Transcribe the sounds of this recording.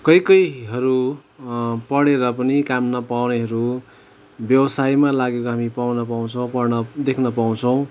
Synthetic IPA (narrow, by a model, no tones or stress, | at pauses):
kʌjkʌjɦʌɾu | pʌɽeɾʌpʌnikamnʌpawneɦʌɾu | bjʌwʌsajmalaɡekoɦamipawnʌpaw̃t͡sʰʌw̃pʌrnʌd̪ekʰnʌpaw̃t͡sʰʌw̃